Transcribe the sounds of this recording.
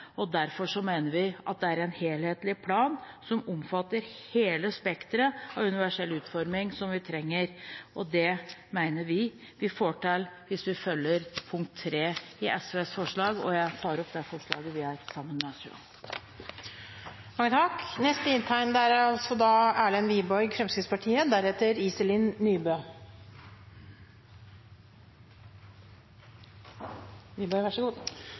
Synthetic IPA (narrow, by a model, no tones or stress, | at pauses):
ɔd̪æɾfɔʂɔmæɪnəɾʋɪʔɑ̰t̪̚d̪ɛæɾɛnheːlheːt̪lɪpʰlɑːnsɔmɔmfɑt̪ːəɾheːləspɛkt̪ɾəɑʋʉnɪʋæʂɛlʉːt̪fɔɾmɪŋsɔmʋɪt̪ʰɾɛŋːəɾʔɔd̪ɛmæɪnəɾʋɪ | ʋɪfoːʈɛlʋɪsʋɪfœlːəɾpʰʊŋkt̪ʰːɾeːɪʔɛsʉɛsfɔʂɭɑːɡɔ̰jæɪt̪ʰɑːɾɔp̚ːd̪ɛfɔʂɭɑ̰ːɡəʋɪæɾsɑmːənmɛɑsɑ̰ | mɑŋːət̪ʰɑknɛst̪əɪnt̪ʰæɪnd̪ɛæɾɑlsɔd̪ɑːæːɭɛnʋiːbɔʏɡfɾɛmskəspɑʈʰiːəd̪æɾheːt̪əɾiːsəlɪnːyːbøː | ʋiːbɔɪʋæʂɔɡuːd̪